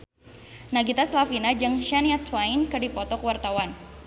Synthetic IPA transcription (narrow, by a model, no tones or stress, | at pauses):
naɡit̪aslafinad͡ʒaŋʃaniat̪wajnkɨrdipɔt̪ɔkwart̪awan